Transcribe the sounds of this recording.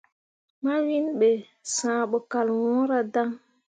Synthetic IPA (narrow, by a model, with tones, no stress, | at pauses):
ma˦wi˦nɓe˨ | sãː˨ɓɔ˨ka˨lwɔ̃˦ɾa˨da˦ŋ